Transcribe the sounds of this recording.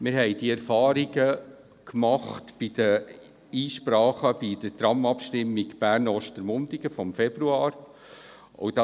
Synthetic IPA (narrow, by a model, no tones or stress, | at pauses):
mɪɾɦɛjd̥iɛɾfɑːɾiɡə | kmɑχtb̥id̥̪ə | iːʃpɾɑːχəbid̥ətɾɑmɑpʃtɪmːiɡb̥æːɾnɔʃtəɾmʊndiɡəfɔmfɛb̥ɾuɑːɾ | o̰wd̥ɑ